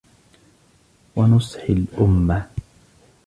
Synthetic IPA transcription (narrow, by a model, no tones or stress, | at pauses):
wanʊsˤħɪlʔʊmːa